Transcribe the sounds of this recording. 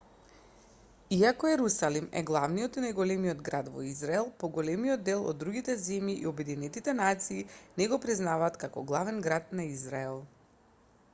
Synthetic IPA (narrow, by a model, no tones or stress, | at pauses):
iakɔɛɾusalimɛ̰ɡlˠavnijɔt̪inajɡɔlɛmijɔd̪ɡɾad̪vɔ̰izɾaɛlˠpɔɡɔlɛmiɔd̪ːɛlˠɔ̰d̪ːɾuɡit̪ɛzɛmjiʔḭobɛd̪inɛt̪it̪ɛnat̪siːnɛɡɔpɾiznavaːt̪kakɔ̰ɡlˠavɛnɡɾat̪naizɾaɛlˠ